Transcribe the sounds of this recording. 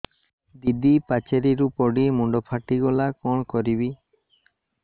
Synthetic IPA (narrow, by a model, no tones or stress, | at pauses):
d̪id̪ipat͡ʃeɾiɾupɔɽimuɳɖɔpʰaʈiɡɔlakɔɽkɔɾibi